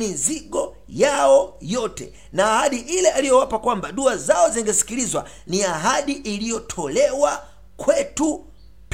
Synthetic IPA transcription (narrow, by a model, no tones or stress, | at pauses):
miziɠɔ | jaɔjɔtɛ̰ | naːhaɗiʔilɛalijɔwapakwambaɗuazaɔziŋɡɛsi̥kilizwa̰ | niaɦaɗiʔilijɔtʰɔlɛwa | kwɛtu | p